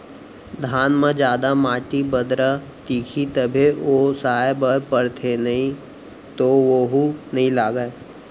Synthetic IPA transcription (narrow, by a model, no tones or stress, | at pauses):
d̪ʱaːnmə̃d͡ʒjaːd̪amaːʈibəd̪ɾa | t̪iːkʰit̪əbʱeosaːebəpəɾt̪ʰenɐɦĩ | t̪oʋoɦunɐɦĩlaːɡəe